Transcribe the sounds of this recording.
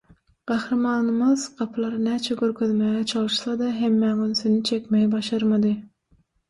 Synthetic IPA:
qæhɾɑmɑːnɨmɯzqʰɑpʰlˠɑɾnæːt͡ʃʰɛɡʲøɾkʲʰøðmæːɣɛt͡ʃʰɑlˠɨʃsɑd̪ɑɦemːæːɡynsynyt͡ʃʰekʲmɛjbɑʃɑɾmɑd̪ɨ

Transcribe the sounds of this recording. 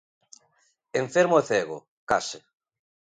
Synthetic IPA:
eɱfeɾmoeθeɣo̰ | kase

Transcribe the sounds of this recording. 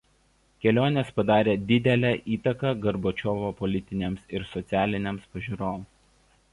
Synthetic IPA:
kʲɛlʲoːnʲeːspɐd̪ɑːɾʲeːd̪ʲɪd̪ʲɛlʲɛʔiːt̪ɐkɐɡɐɾbot͡ʃʲoːʋoːpɔlʲɪt̪ʲɪnʲeːmsɪɾsɔt̪sʲæːlʲɪnʲemspɐʒʲiːɾoːm

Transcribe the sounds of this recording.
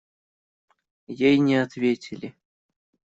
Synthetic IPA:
jejnʲeat̪vʲetʲʰɪlʲɪ

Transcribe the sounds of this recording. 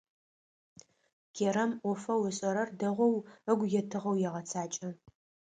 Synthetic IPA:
ɡ̥ʰeɾɐmʔʷɔfɐwɪɕʼɐɾɐrdɐʁʷɔwəɡʷjɛtʰɨʁɐwjɛʁɐt͡sʰaːt͡ʃʼɐ

